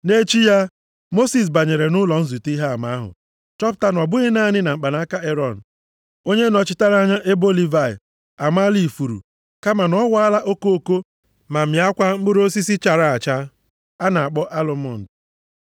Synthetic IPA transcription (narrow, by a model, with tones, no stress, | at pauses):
ne˦t͡ʃi˦ja˦ | mo˦si˨s̬ba˨ɲe˨ɾe˨nʊ˦lɔ˨n̩˦zu˨ti˦ɦa˦˨ma˨˦a˦ɦʊ̰˨ | t͡ʃɔ˦p̬ʊ̥˨˦ta˦n˨ɔ˨bʊ˦ɣɪ˦na˦˨ɲɪ˦na˨m̩ŋ͡m̩˨k͡pa˨na˦ka˦e˦ɾɔ˨n̩˨ | o˦ɲe˦nɔ˨t͡ʃɪ˦ta˦ɾa˦ɲa˦ʔe˦bo˦li˦va˦˨ɪ̰˨ | a˨ma˦li˨fu˨ɾṵ˨ | ka˦ma˨nɔ˦wa˦a˦la˦ʔo˦ko˦o˦ko˦ | ma˨m̩ja˦kʷa˦m̩˦bʊ˦ɾo˦si˦si˦t͡ʃa˨ɾa˦˨a˨t͡ʃa˦ | a˦na˨a˨k͡pɔ˦ʔa˦lo˨mɔ˨n̩˨d